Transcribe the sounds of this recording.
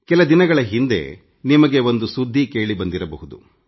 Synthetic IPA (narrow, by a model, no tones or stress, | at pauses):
kɛlɐd̪inɐɡɐɭɐɦind̪e̞̰ | nimɐɡe̞ʋo̞nd̪usud̪ʱːike̞ːɭibɐnd̪iɾɐbɐɦud̪ṵ